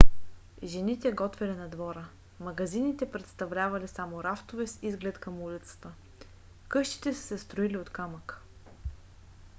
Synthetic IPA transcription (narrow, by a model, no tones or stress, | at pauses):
ʒɛnit̪ɛɡɔt̪vɛlinɐd̪vɔɾə | mɐɡɐzinit̪ɛpɾɛt̪st̪ɐvlʲavɐlisamoɾaft̪ovɛsizɡlɛt̪kɐmulit̪sə̥t̪ə | kɤʃt̪i̥t̪ɛsə̥sɛst̪ɾoiliot̪kamək